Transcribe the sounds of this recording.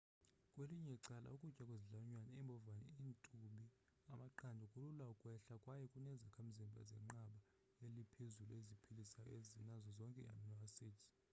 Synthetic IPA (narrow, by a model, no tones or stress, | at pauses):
kʼweliɲɛǀala̰ukʼucʼakʼweziɮaɲwanaimbʱɔvanḭintʼuɓi | amaǃandʱukʼululwaukʼwɛɬakʼwajɛkʼunɛzakʰam̩zimbʱa̰zɛ̰ŋ͡ǃaɓa | jelipʰezuluezipʰilisajɔ̰ezinazɔzɔŋkʼɛa̰mnɔasitʰi̥